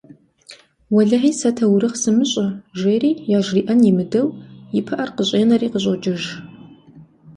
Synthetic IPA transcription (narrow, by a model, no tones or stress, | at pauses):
wɐɮɐħiːsɐtʰɐwɾɨχsɨmɨɕʼɐʒeːriːjaːʒriːʔɐnjɪmɨdɐwjɪpʰɐʔɐrqəɕʼeːnɐriːqəɕʼɔt͡ʃʼɪʒ